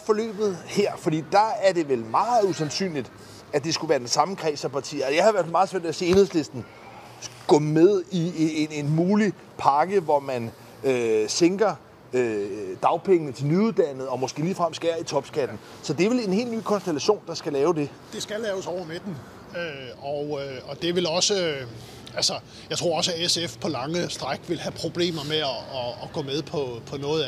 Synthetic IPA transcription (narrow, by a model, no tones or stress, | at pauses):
fɒ̽lø̰ːb̥ð̞̩ˠheɐ̰fɒ̽d̥ḭːd̥ɑ̈æɐde̝ʋelmɑ̈ːð̩ˠusænsy̰ːnlid̥ | æd̥e̝sɡ̥uʋæːɐd̥ensɑ̈məkʰʁɛ̰ːsɐpɑ̈t͡sʰḭːɐɒjɑ̈ɪhɑ̈ɪʋæɐ̰fælmɑ̈ð̩ˠsʋæɐ̰dʋeæse̝e̝nhḛsle̝sd̥n̩ | ɡ̥ɔmeðˠieenenmuːli | pʰɑ̈ɡ̥əʋɒmæn | seŋɡ̥ɐ | ød̥ɑ̈ʊpʰeŋənət͡sʰe̝lnyuðˠd̥æn̰ð̞̩ˠɒ̽mo̽sɡ̥e̝̰ːliːfʁamsɡ̥æɐit͡sʰɒ̽b̥sɡ̥æd̥n̩ | sɒ̽d̥e̝ʋe̝le̝nhe̝̰ːlny̰ːkʰɒ̽nsd̥elæɕo̝̰ːnd̥ɑ̈sɡ̥ælɛːʊd̥e̝ | d̥e̝sɡ̥ælɛːʊsɒʊ̰ɐmed̥n | øɒøɒ̽d̥e̝ʋe̝lɒ̽sə | ælsɐ | jɑ̈ɪt͡sʰʁo̝ɐɒ̽s̬æesefpʰɒ̽lɑ̈ŋəsd̥ʁaɡ̥ʋe̝lhæpʰʁo̝b̥le̝̰ːmɐmeːɡ̥ɔ̰̽ːmeð̞ˠpʰɒ̽pʰɒ̽nɔ̽ːð̩ˠ